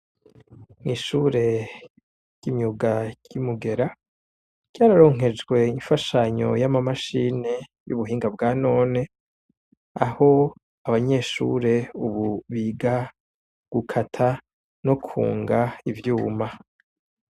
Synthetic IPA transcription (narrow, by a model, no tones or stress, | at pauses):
niːʃuːɾe̞ | ɟ̥imɲuɡaɟ̥imuɡe̞ɾa | ɟ̥ɟ̥aːɾaɾo̞ːŋ̥ɦe̞d͡ʒɡwe̞iɱfaʃaɲo̞̰jamamaʃine̞ | jṵβuɦiːŋɡabɡaːno̞ːne̞ | aho̞ | aβaɲe̞ːʃṵːɾe̞uβuβiɡa | ɡ̥ukʰatʰa | no̞kʰṵːŋɡaivjuːma